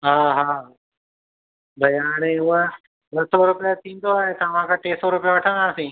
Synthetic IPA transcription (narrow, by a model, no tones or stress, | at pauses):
ɦãɦã | bʱəjaːɽ̃iʋa | dəsoɾupjat̪ĩnt̪oaet̪ãʋãkaʈesoɾupjaʋaʈʰãnasĩ